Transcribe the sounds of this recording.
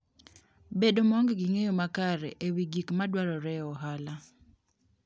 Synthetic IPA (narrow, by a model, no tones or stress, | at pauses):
bedomɔŋɡɡiŋejomakaɾɛ̰ʔewiɡikmadwaɾɔɾɛɔɦala